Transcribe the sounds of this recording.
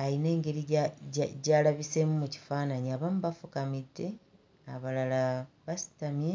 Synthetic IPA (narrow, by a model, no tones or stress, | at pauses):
ajine̞ːŋɡe̞ɾi | ɟaːlaβise̞mumuci̥faːnaɲiaβamuβafukamidːe̞ | aβalalaβasi̥tamje